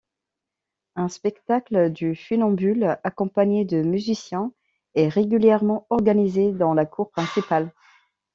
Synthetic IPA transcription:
ɛ̃spɛkt̪akld̪yfynɑ̃bylakɔ̃paɲed̪əmyzisjɛ̃ | ɛʁeɡʲyljɛʁmɑ̃ɔʁɡanized̪ɑ̃lakuʁpχɛ̃sipal

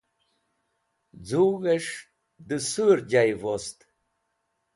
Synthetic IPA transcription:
d͡zuːɣeʂ | d̪əsɨɾd͡ʑajvɔst̪

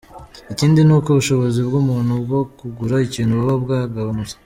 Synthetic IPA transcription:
iciːndinuːkoβuʃo̞βo̞zibɡumuːnhubɡo̞kuɡuɾaiciːnhuβuβobɡaːɡaβanut͡sḁ

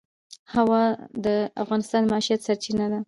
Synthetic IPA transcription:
hawad̪əa̰fɣɑnɪst̪ɑnmaɑʃijat̪saɾt͡ʃinad̪a

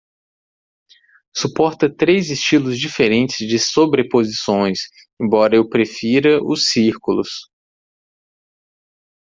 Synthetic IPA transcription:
supɔɾt̪ɐt̪ɾejzɪst͡ʃilʊzd͡ʒifeɾẽnt͡ʃɪzd͡ʒɪsobɾepozisõj̃s | ẽbɔɾɐewpɾefiɾɐʔʊsiɾkulʊ̰s

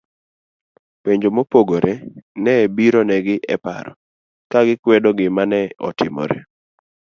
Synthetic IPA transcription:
peɲd͡ʒomopoɡoɾʔenɛbiɾonɛɡɪʔɛpa̰ɾɔ̰ | kaɡɪkwɛdɔɡɪmanɛɔ̰tɪmɔ̰ɾḛ

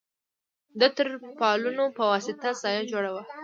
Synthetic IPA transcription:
d̪ət̪əɾpɑlunopəwɑsɪt̪azɑjad͡ʒoɽawa

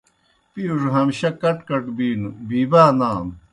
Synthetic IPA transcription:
piuʐɦɐmɕɐkɐʈkɐʈbiːnubiːbaːnaːm

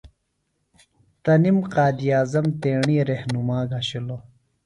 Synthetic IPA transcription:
t̪ɐnimqaːd̪ijaːzɐmt̪eːɳiːɾehnumaːɡɐɕilo

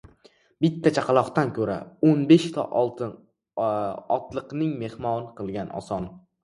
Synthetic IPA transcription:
bɪt̪ʰːat͡ʃʰaqʰɑlˠɒqt̪ankʲʰɵɾa̰onbeʃt̪ʰɒ̰ʔɒlˠt̪ʰɪ | ɒt̪lˠɨqnɪŋme̞hmɒnɨqʰɨlˠɡʲanʔɒ̰sɒn

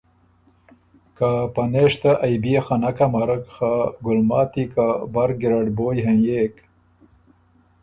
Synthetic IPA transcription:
kapaneʂt̪aʔajbiexanakamaɾakxaɡʊlmɑːt̪ikabaɾɡiɾaɖboːjɦanjeːk

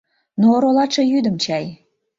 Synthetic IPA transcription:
noːɾolɑʃejyd̪ə̆mt͡ɕɑj

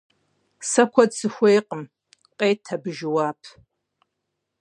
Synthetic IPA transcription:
sɐkʷʰɐdsɨxʷejqʼəm | qʼeːtʰːabɨʒɪwaːpʰ

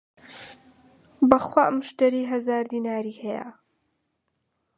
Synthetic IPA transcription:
bɐχwaːmʊʃt̪ɐɾiːɦɐzaːɾd̪iːnaːɾiːhɛjə̰

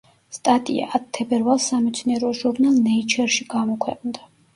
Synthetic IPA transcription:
st̪ʼat̪ʼḭa̰ʔːt̪̚t̪ʰːɛbɛɾvalˠsːamɛt̪sʰniɛɾɔʒuɾnalˠnɛit͡ʃʰɛɾʃiɡ̥amɔkʰwɛqʼnd̪a

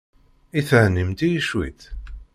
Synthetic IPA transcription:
iθəʕnimt̪ijiʃwḭθ

